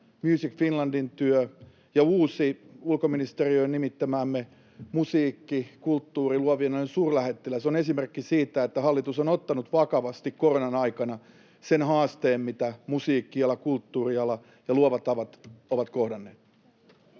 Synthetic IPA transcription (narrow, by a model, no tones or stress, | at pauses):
mjyːsikfinlɑndint̪yø | jɑuːsiulkominist̪eriøinimit̪ːæmæːmːe | musiːkːikult̪ːuːriluoʋienolensuːrlæhet̪ːelæseonesimerkːisiːt̪æet̪ːæhɑlːit̪usonot̪ːɑnut̪ʋɑkɑʋɑst̪ikkoronɑnɑikɑnɑ | senhɑːst̪eːmmit̪æmusiːkːiɑlːˑɑkult̪ːuːriɑlɑ | jɑluoʋɑt̪ɑʋɑt̪oʋɑt̪kohdɑnːeːt̪ː